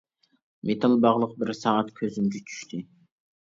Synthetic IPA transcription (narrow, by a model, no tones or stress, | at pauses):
mʔet̪ʰɑlˠbɑʁlˠəq̚bɪɾsɑɑt̪kʲʰøzymɡʲɛt͡ʃʰy̥ʃt̪ʰɪ